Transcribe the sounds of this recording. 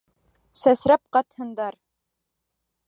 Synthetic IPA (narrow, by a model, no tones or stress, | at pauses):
sæsɾæp̚qɑt̪hɤ̆nd̪ɑɾ